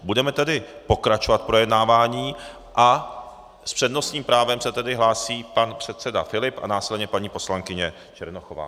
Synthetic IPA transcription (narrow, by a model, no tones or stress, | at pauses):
budɛmɛt̪ɛdɪpo̞kɾat͡ʃovat̪̚pɾojɛdnaːvaːɲiː | ʔa | spr̝̥ɛdno̞sɲiːmpɾaːvɛmsɛt̪ɛdɪɦlaːsiːpanpr̥ɛt̪t͡sɛda̰fɪlɪpʔa̰naːsɪlɛdɲɛpaɲiːpo̞slaŋkɪɲɛ | t͡ʃɛɾnoxova̰ː